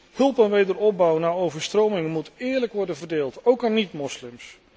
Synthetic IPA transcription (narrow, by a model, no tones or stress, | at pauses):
hɵlˠpɛnʋejdəɹɔp̚bɑwnaːɹowvəɹstrowmɪŋmutɪːɹləkʋɔɹdənvərdeːlˠtowkanitmɔslɪms